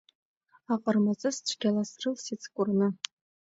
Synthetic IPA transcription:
aqʼərmat͡sʼɨsʈ͡ʂʷʰɡʲalasrɨlsit͡sʰkʷʼʊrnɨ

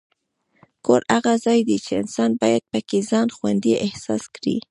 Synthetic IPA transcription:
koɾaɣazɑjd̪it͡ʃeɪnsɑnbɑjad̪̚pəkezɑnxwand̪iʔɪhsɑ̰skɽḭ

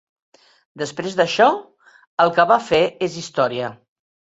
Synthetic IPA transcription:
d̪əspɾezðəʃɔ | əlˠkəβafeezist̪ɔɾiə

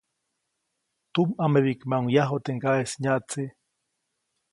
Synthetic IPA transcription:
t̪umameβikmaŋjaɦot̪eŋkaesɲat͡si

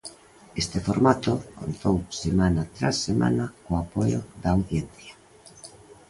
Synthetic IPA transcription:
est̪efoɾmat̪okont̪owsemanat̪ɾasːema̰nakoapojoðawθjen̟θja

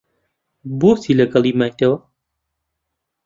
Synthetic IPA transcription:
boːst̪iːlɐɡɐlˠiːmajt̪ɐwɐ

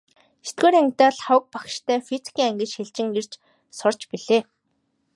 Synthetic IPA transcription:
e̥t̪ɡoːɾæŋɡʲt̪aːɮχawə̆k̚pakʃt̪ʰæːfit͡si̥kʰiːŋæŋɡʲɘ̆t͡ɕxeɮt͡ɕɪ̆ŋer̥t͡ɕ | sʊrt͡ɕpiɮeː

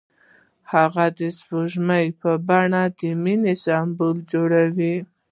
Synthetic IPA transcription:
haɣad̪əsboʒmajpəbaɳad̪əminesambold͡ʒoɽawi

